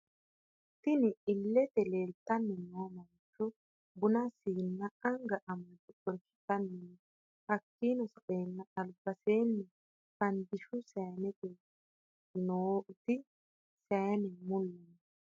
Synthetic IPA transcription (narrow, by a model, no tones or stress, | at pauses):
t̪ɪnɪɪlːɛt̪ɛleːlt̪ːɐnːɛnoːmɐnt͡ʃːɔ | bʊnɐsiːnːɐɐŋɡɐʔɐmɐntɔtɔɾkɪ̥t̪ɐnːɛn | hɐkːiːnɔsɔʔeːnːɐɐlbɐseːnːɛ | fɐnd̪ɪʃʊsɛjnɛt̪ɛ | noːʔʊt̪ɪ | sɛjnɛmʊlːɛn